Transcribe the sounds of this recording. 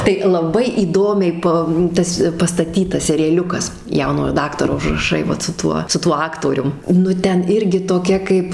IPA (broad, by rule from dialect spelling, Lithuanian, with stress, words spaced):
tɐɪ lˠɐˈbɐɪ iːˈdoːmʲɛɪ ˈpɐ ˈtɐs pɐstɐˈtʲiːtɐs sʲɛrʲɪjɛˈlʲʊkɐs ˈjɛʊnoːjoː ˈdɑːktɐroː ʊʒrɐˈʃɐɪ ˈʋɐt sʊ ˈtuɔ sʊ ˈtuɔ ˈɑːktoːrʲʊm nʊ ˈtʲɛn ˈɪrʲɡʲɪ toːˈkʲɛ ˈkɐɪp